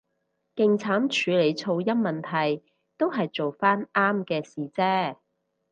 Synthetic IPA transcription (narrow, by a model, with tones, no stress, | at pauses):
kɪ˨ŋt͡sʰaː˨˥mt͡ʃʰyː˨˧le˨˧jt͡sʰo˧wjɐ˥nmɐ˨nt̪ʰɐ˨˩j | t̪o˥wɦɐ˨jt͡so˨wfaː˥nʔaː˥mkɛː˧siː˨˩t͡sɛː˥